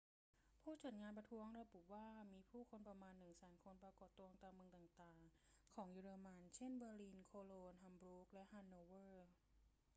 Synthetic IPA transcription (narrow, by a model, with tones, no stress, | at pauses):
pʰuː˥˩t͡ɕaː˨˩t̪̚ŋaː˧npɾa˧t̪ʰu˦˥əŋɾa˧bu˨˩waː˥˩miː˧pʰuː˥˩kʰo˧npɾa˧maː˧nːɯ˨˩ŋsɛː˩˦nkʰo˧npɾa˧kɔː˨˩t̪ːu˧ə˧ŋt̪aː˧ŋmɯ˧ə˧ŋt̪aː˨˩ŋt̪aː˨˩ŋkʰɔː˩˦ŋjuː˧ɾɤː˧ma˧nt͡ɕʰe˥˩nbɤː˧liː˧nkʰoː˧loː˧nɦa˧mbɾu˦˥k̚lɛ˦˥ʔhaː˧nːoː˧wɤː˥˩